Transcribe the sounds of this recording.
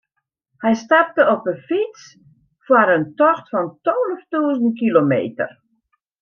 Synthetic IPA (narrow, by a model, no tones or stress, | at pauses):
hɛjstap̚təɔpənfit͡s | fwaɾəntɔxtfɔntoːləftuəzənt̚kilomḛːtə̰r